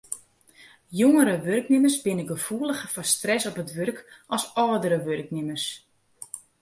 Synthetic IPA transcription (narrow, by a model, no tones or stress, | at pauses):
joŋəɾəʋørknɪmərsbɪnəɡəfuələxəfɔnstrɛsɔpətʋørkʔɔsɔːdəɾəʋørknɪmərs